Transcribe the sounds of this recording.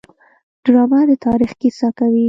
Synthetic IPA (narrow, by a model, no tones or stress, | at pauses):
ɖ̥ɾɑmad̪ət̪ɑɾixkisɑkawi